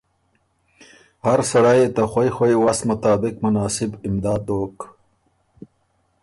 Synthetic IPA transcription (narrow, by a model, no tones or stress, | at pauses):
haɾsɐɽajet̪axwojxwojwasmʊt̪aːbɪqmʊnaːsɪbɪmd̪aːd̪oːk